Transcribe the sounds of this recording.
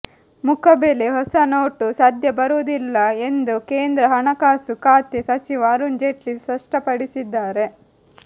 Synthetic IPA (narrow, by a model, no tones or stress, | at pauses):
mukʰɐbeːleɦɔsɐnoːʈusaːd̪ʱjɐbɐɾuːd̪ilːɐe̞nd̪ukeːnd̪ɾɐɦɐɳɐkaːsukaːt̪isɐt͡ʃiʋɐːɾund͡ʒeʈlispɐʂʈɐpɐɽisid̪ːaːɾe̞